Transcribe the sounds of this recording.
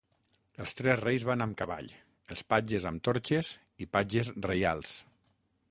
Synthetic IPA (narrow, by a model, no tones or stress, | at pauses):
əlˠst̪ɾɛzrejzβanəmkəβa̰ʎ | əlˠspad͡ʒəzəmt̪oɾt͡ʃez | ipad͡ʒəzreja̰lˠs